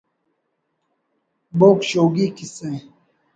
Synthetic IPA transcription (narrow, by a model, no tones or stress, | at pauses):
boːkɕoːɡiːkisẽː